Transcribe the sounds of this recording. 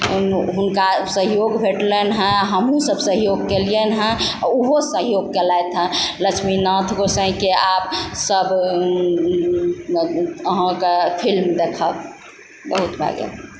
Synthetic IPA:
ɦunkasəɦjoɡbʱeʈlenɦə̃ɦəmɦũsəbsəɦjoɡkelienɦə̃uɦosəɦjoɡ̚kelaet̪ʰɦə̃lət͡ʃʰminɔ̃t̪ʰɡosə̃ɦkeap̚səb | əɦə̃kepʰilmd̪ekʰəb | bəɦut̪bʱa̰ɡḛ

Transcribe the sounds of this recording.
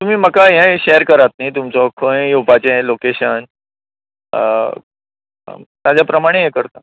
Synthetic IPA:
t̪um̤iːməkaɦɛ̃ɕeəɾkəɾat̪̚nait̪umt͡sɔkʰə̃jupat͡ɕẽlokeɕən | t̪ad͡ʑapɾəmaɽ̃eɦekəɾt̪a

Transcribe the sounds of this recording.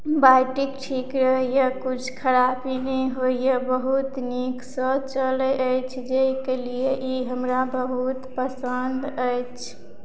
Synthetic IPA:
bajʈikʈʰikɾəɦjəkut͡ʃʰkʰəɾabineɦoijebəɦut̪niksə̃t͡ʃələʔəjt͡ʃʰd͡ʒeikelijeʔiɦəmɾabəɦut̪pəsənd̪əjt͡ʃʰ

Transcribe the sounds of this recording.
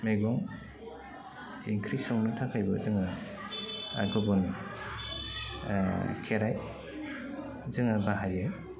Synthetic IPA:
meɡɔŋ | iŋkʰɾisɔŋnɯtʰakʰajbɯzɯŋa | a̰ɡɯbɔn | kʰeɾaj | zɯŋabaɦaɾiɯj

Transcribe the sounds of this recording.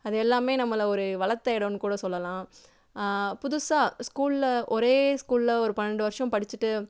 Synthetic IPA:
ɐðɛlːaːmeːnɐmːɐlɐɔɾɯʋɐɭɐt̪ːɐɪɽɐnɯkuːɽɐsɔlːɐlãː | pʊðʊsaːskuːllɐʔɔɾeːskuːlɪlɐɔɾɯpɐnːɐɳɖɯʋɐɾʂɐ̃mpɐɽɪt͡ʃːɯʈːɯ

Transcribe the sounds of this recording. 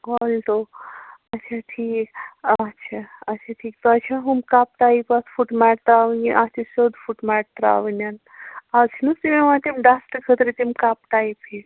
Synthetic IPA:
olt̪o | ɐtːt͡ʃʰaʈʰiːktːʃʰaɐt͡ʃʰaʈʰiːk̚t̪oɐt͡ʃʰaɦumkap̚ʈaipasfuʈmaʈ̚t̪ɾaʋəniʔat͡ʃʰisod̪fuʈmaʈ̚t̪ɾa̰ʋənan | at͡ʃʰinusimemãt̪imɖasʈkʰət̪ɾet̪imkapʈaipʰe

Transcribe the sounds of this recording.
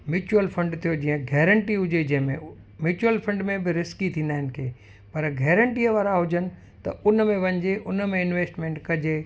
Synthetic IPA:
mjuːt͡ɕuəlfɐ̃ɳɖt̪ʰijod͡ʑĩːə̃ɡʱɛːɾə̃ɳʈiɦʊd͡ʑed͡ʑɐ̃ɦɪ̃mẽ | mjuːt͡ɕuəlfɐ̃ɳɖmẽbɪɾɪskit̪ʰĩːnd̪aːɪnɪ̆kʰeː | pɐɾɡʱɛːɾə̃ɳʈiəʋaːɾaɦʊd͡ʑənɪ̆ | t̪ɐ̰ʊnmẽʋɐ̃ɲɪd͡ʑeʔʊnəmẽɪnʋeːsʈmẽːɳʈkɐd͡ʑe

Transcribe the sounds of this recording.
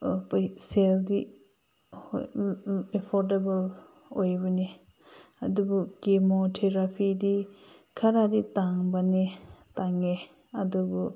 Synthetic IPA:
pseldi | epʰoɾdebɐl | ojbane | adubukemotʰeɾapʰidikʰaɾaditaŋbanetaŋe | adubu

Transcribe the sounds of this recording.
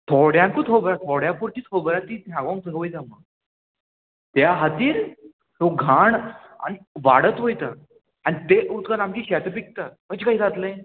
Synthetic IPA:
t̪ʰɔɽjãŋkut̪ʰɦobɾat̪ʰɔɽjãpuɾt̪iːt͡sɦobəɾat̪iːnãɡãŋk̚t͡səɦəʋəjt̪ama | t̪jaɦat̪iːɾ | hoɡʱaɳa̰niʋaɽət̪ɦojt̪a | añit̪eʔut̪kaɾamkiːɕɛt̪əpik̚t̪aɦət͡ɕkaɦiːd͡zat̪ləjn

